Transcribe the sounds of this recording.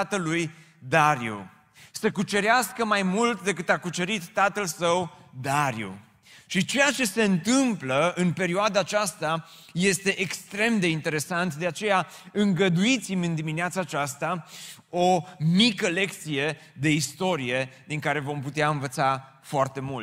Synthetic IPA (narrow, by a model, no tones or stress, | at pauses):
at̪əlːuj | d̪aɾiu | səkut͡ʃe̞ɾeaskəmajmult̪d̪e̞kɨt̪akut͡ʃe̞ɾit̪ːat̪əlsəwd̪aɾiṵ | ʃit͡ʃe̞jat͡ʃe̞se̞ɨnt̪ɨmpləɨnpe̞ɾioad̪aːt͡ʃast̪a | je̞st̪e̞ʔekst̪ɾe̞md̪e̞int̪e̞ɾe̞sant̪d̪eat͡ʃe̞ja | ɨŋɡəd̪uit̪simʲɨnd̪imineat̪saːt͡ʃast̪a | omikəle̞k̚t̪sije̞ | d̪e̞ist̪o̞ɾije̞d̪iŋkaɾe̞vo̞mput̪eaɨnvət̪sa | foart̪e̞mult̪